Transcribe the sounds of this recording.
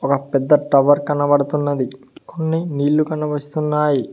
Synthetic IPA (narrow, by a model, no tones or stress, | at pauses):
ɔkɐpɛd̪ːɐʈɾɐʋɐɾkɐnːɐʋɐɽɐt̪unːɐd̪i | konːiniːlːukɐnːɐʋɐst̪unːaːji